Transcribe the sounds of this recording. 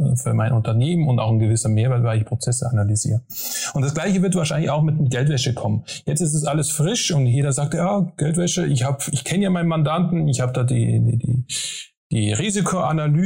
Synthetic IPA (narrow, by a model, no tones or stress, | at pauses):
fyːɐmaɪnʔʊntɐneːmənʊnta̰ʊxnɡəvɪsɐmeːɐvɛɐtvaɪɪçpʁ̥ot͡sɛsəanalyzḭːʁəʔʊntd̥asɡ̥laɪçəvɪɐtv̥aɐʃaɪnlɪçaʊxmɪt̚ɡɛltvɛʃəkʰɔmənjɛt͡stɪs̬tɛs̬ʔaləsfʁɪʃʊntjeːdɐzaːk̚tjaːɡ̥ɛltvɛʃəʔɪçhaːbəɪçkʰɛnəjaːmaɪnənmandantn̩ɪçhaːbədaːdḭːdiːdḭː | d̥iːʁiːzikʰoʔanalyː